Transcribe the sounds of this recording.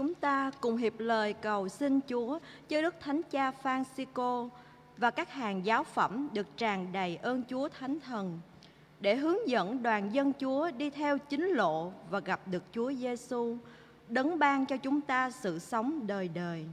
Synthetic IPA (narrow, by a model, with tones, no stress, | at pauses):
t͡ɕʊ˨˦ŋ͡mt̪aː˧kʊ˨˩ŋ͡mɦi˨˩əp̚ləː˨˩jkə˨˩wsï˧nt͡ɕu˨˦ə | t͡ɕɔ˦˧ɗɨ˦˥k̚t̪ʰa˨˦jŋ̟t͡ɕaː˧faː˧nsi˧ko˧ | vaː˨˩kaː˦˥k̚haː˨˩nzaː˨˦wfə̰˧˩mɗɨ˨˩ək̚t͡ɕaː˨˩ŋɗə˨˩jʔəː˧nt͡ɕu˨˦ət̪ʰa˨˦jŋ̟t̪ʰə˨˩n | ɗe˧˩ɦɨ˨˦əŋzə̰˧˥nɗwaː˨˩nzə˧nt͡ɕu˨˦əɗi˧t̪ʰɛ˧wt͡ɕï˨˦ŋ̟lo̰˧˨vaː˨˩ɣa˨˩p̚ɗɨ˨˩ək̚t͡ɕu˨˦əze˧su˧ | ɗə˨˦nɓaː˧ŋt͡ɕɔ˧t͡ɕʊ˨˦ŋ͡mt̪aː˧sɨ̰˧˨sə˨˦wŋ͡mɗəː˨˩jɗəː˨˩j